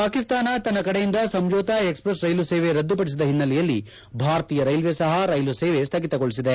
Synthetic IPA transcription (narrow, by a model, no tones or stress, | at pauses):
paːkist̪aːnɐt̪ɐnːɐkɐɽejind̪ɐsɐmd͡ʒɔːt̪aekspɾɐsɾɐjluseːʋeɾɐd̪ːupɐɽis̬id̪ɐɦinːɐlɛjɐlːi | bʱaːɾɐt̪iːjɐɾɐjlʋesɐɦɐɾɐjluseːʋest̪ʰɐɡit̪ɐɡoɭis̬id̪e